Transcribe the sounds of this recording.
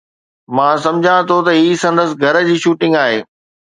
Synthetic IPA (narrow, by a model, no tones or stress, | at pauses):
mãːsɐ̃md͡ʑʱãt̪ʰot̪ɐɦiːsɐ̃nd̪əsɪ̆ɡʱɐɾə̆d͡ʑiːʃuːʈɪ̃ŋɡaːɦeː